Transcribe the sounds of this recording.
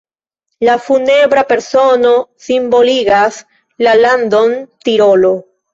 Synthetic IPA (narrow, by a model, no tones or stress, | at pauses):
lafuneβɾapeɾsonosimboliɣas | laland̪ont̪iɾolo